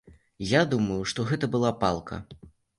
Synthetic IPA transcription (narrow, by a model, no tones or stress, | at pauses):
jad̪umɐjuʂt̪ɔɣɛt̪ɐbɨlˠapalˠkʰɐ̰